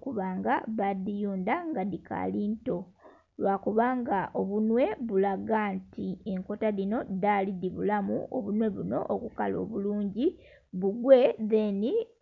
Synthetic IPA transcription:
kuβaːŋɡaβadijuːndaŋɡaðikʰa̰liːnto̞ | lwakuβaːŋɡaʔoβunwe̞βulaɡaːntieŋko̞taðino̞daliðiβulamṵo̰βunwe̞βuno̞̰ʔokuka̰lo̞̰ːβuluːɲɟi | βuɡwe̞ðeni

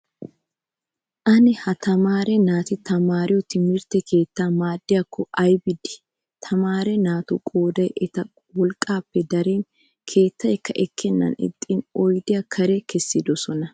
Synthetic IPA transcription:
ʔɐnɪhɐt̪ɐmaːɾɛnaːt̪ɪt̪ɐmaːɾɪjɔt̪ɪmɪɾt̪ɛkʰe̞ːt̪ːaːmaːd̪ːɪjɐkʰːɔʔɐjbɪd̪ɪ̥ | t̪ʰɐmaːɾɛnaːt̪ukʼo̞ːd̪ɐjʔɛt̪ɐ | wɔlkʼːaːpːɛd̪ɐɾeːn | kʰe̞ːt̪ːɐjɛkːɐʔɛkʰːɛnːɐ̰nɪ̰t̪ʼːɪnɔjd̪ɪjɐkʰɐɾɛkʰɛsːɪd̪ɔsɔnɐ

